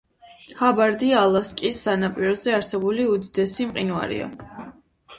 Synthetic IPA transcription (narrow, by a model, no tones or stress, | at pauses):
habaɾd̪ialˠaskʼisːanapʼiɾɔzɛaɾsɛbuliud̪id̪ɛsimqʼinva̰ɾḭa̰